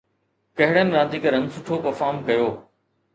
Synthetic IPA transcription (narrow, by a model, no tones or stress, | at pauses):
kɐɦɪɽənɪ̆ɾãːnd̪iːkɐɾɐ̃ŋɡsʊʈʰopɐɾfaːɾmkɐjoː